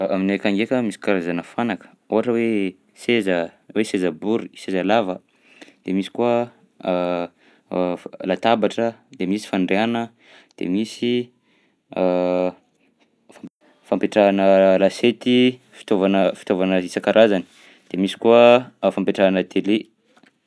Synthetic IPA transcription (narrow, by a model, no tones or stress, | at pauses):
aminekaŋɡekəmisi̥kaɾazanəfanakə̥ | oɦaʈ͡ʂəwe | sezəwesezabuɾisezalavə | d̪̥emisi̥kuə | lat̪abaʈ͡ʂəd̪emisi̥faɳɖ͡ʐeanə | d̪̥ḛmisi | fa | fampeʈ͡ʂanəlaset̪i | fi̥t̪ovanəfi̥t̪ovanəɦisəkaɾʔazani̥ | d̪̥emisi̥kuəfampeʈ͡ʂaanət̪ʰele